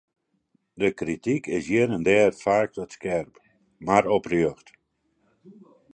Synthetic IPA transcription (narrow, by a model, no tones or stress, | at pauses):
dəkritikɪsjiənəndɛːrfaːk̚tɔtskɛrp | maɾɔprjøxt